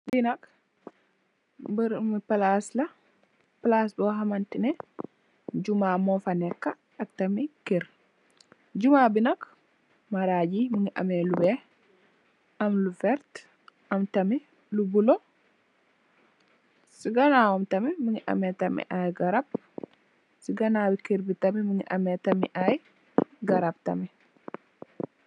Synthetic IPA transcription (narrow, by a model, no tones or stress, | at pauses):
binak | bɾmipalasla | plasbɔɦamantinɛ | d͡ʒumamɔfanɛkːaː | k̚tamikiɾ | d͡ʒumabinak | maɾad͡ʒimiŋiʔa̰mɛlubɛ | ɐmlufɛɾt̪ | ɐmt̪ɐmi | lubulɔ | siɡɐnaːwɐmt̪ɐmimiŋiʔɐ̰mɛt̪ɐmḭʔajɡɐɾɐb̚ | siɡɐnaːbɪkiɾbit̪ɐmimiŋiʔɐ̰mɛt̪ɐmḭʔaj | ɡɐɾɐb̚t̪ɐ̰mɛ